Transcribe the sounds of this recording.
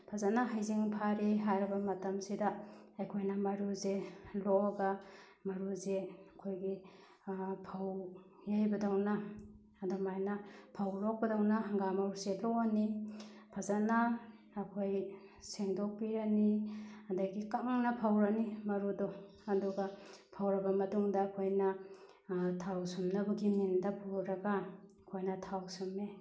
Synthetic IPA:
pʰazanaɦajziŋpʰaɾiɦajɾɐbɐmɐtɐmsidaːjkʰojnamɐɾuzelɔaɡa | mɐɾuzeɐkʰojɡi | pʰaw | jajbɐdawna | adomajnapʰawɾɔk̚bɐdawnaŋɡamaɾuselɔanipʰazanaː | kʰojseŋdok̚piɾaniɐndajɡikaŋnɐpʰawɾanimɐɾudo | ɐduɡapʰawɾɐbɐmɐtuŋdɐːkʰojnɐ | tʰawsumnɐbɐɡimindɐpʰuɾɐɡa | kʰojnɐtʰawsume

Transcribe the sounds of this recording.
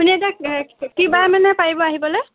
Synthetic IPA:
puniɛtakibamanɛpaɹibɔaɦibɔloj

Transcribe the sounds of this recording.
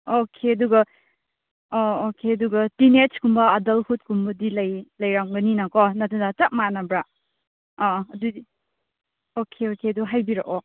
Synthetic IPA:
okʰeɐduɡɐ | ookʰeɐduɡɐtinet͡ʃkumbɐːdɐlhut̚kʰumbɐdilɐjlɐjɾaŋɡɐninakonɐtɐnatɐk̚manɐbɾa | ɐdudi | okʰeokʰeɐduɦajbiɾɐ̰ʔo

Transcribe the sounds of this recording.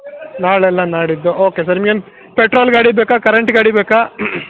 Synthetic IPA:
naːɭɛlːɐnaːɽid̪ːuoːkes̬ɐɾimɡen | peʈɾoːlɡaːɽibeːkakɐɾeɳʈɡaːɽibeːkaː

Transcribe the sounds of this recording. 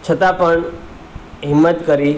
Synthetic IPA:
t͡ʃʰət̪apəɳ | ɦɪmːət̪kəɾi

